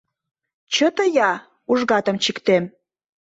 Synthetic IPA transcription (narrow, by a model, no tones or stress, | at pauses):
t͡ɕət̪əjɑ | uʒɣɑt̪ə̆mt͡ɕikt̪em